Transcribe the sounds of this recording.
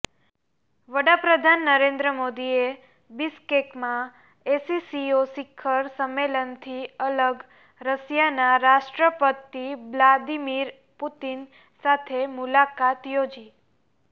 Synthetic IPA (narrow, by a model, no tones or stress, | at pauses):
ʋəɽapɾəd̪ʱanːəɾẽnd̪ɾəmod̪ie | biskekmã | esisiosɪkʰːəɾsəmːelənt̪ʰiələɡ | ɾəsjanaɾaʃʈɾəpət̪iʋlad̪imiɾ | put̪in | sat̪ʰemulakat̪jod͡ʒi